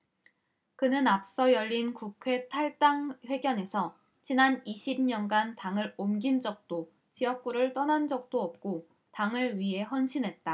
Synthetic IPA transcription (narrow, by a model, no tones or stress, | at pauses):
kɯnɯnap̚s͈ʌjʌʎːinkukʰwe̞tʰaɭt͈aŋɸwe̞ɡjʌne̞sʰʌ | t͡ɕinaniɕʰim̚ɲʌnɡantaŋɯɾomɡind͡ʑʌk̚t͈o | t͡ɕijʌk̚k͈uɾɯɭt͈ʌnɦand͡ʑʌk̚t͈oʌp̚k͈o | taŋɯɭɥiɦe̞ɦwʌnɕʰinɦe̞t̚t͈a